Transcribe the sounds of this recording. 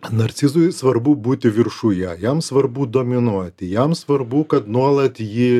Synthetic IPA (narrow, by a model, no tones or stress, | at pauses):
nɐɾʲt̪sʲɪzʊjsʋɐɾbʊbuːt̪ʲɪʋʲɪrʃujɛjɛmsʋɐrbuːd̪oːmʲɪnuɔt̪ʲɪjɛmsʋɐrbʊkɐt̪nuɔlˠɐt̪jɪ